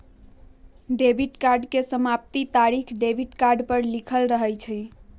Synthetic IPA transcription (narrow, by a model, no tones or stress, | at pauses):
ɖebʱiʈkaɾɖkesəmap̚t̪it̪aɾikʰɖebʱiʈkaɾɖpəɾlikʰəlɾəɦəjt͡ʃʰɛj